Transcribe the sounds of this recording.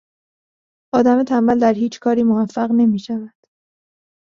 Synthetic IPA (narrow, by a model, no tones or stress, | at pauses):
ʔɒːd̪æmet̪ʰæmbæld̪æɾhiːt͡ʃʰkʰɒːɾiːmovæfːæʁne̞miːʃævænd̪̥